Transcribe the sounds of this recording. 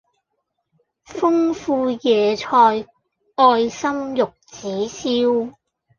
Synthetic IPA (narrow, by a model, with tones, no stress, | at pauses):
fʊ˥ŋfuː˧jɛː˨t͡ʃʰɔː˧j | ɔː˧jsɐ˥mjʊ˨k̚t͡siː˨˥siː˥w